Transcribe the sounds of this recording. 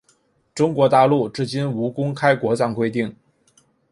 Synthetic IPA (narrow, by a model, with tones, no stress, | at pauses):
ʈ͡ʂʊ˥ŋkwɔ˧˥t̪a˥˧lu˥˧˩ʈ͡ʂɻ̩˥˩t͡ɕi˥nu˧˥kʊ˥ŋkʰa˥ɪkwɔ˧˥t͡sɑ˥˩ŋkwe˥ɪt̪i˥˩ŋ